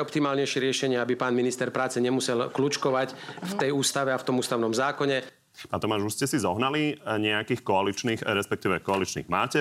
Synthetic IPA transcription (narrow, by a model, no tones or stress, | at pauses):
ɔpt̪imaːlɲɛjʃɛɾɪɛʃɛɲɪɛabipaːnminist̪ɛɾpɾaːt͡sɛɲɛmusɛlklut͡ʃkɔʋacft̪ɛjuːst̪aʋɛaft̪ɔmuːst̪aʊnɔmzaːkɔɲɛ | paːnt̪ɔmaːʒuscɛsizɔɦnaliɲɛakiːxkɔalit͡ʃniːxɾɛspɛk̚t̪iːʋɛkɔalit͡ʃnḭːɣmaːcɛ